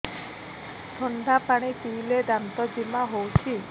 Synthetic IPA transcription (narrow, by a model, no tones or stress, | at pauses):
t̪ʰɔɳɖʱapaɽ̃itiled̪ant̪ɔd͡ʒimaɦowt͡ʃʰi